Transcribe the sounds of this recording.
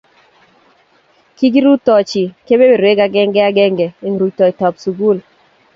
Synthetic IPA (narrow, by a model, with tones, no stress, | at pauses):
ki˦ɡi˦ɾu˦tːɔ˨t͡ʃi˨ke˦be˦be˨ɾwe˦ɡa˨˦ɡɛ˦ŋɡɛ˦a˦ɡɛ˦ŋɡɛ˨e˨ŋɾu˨tɔ˨tɔ˨psu˨ɡu˦l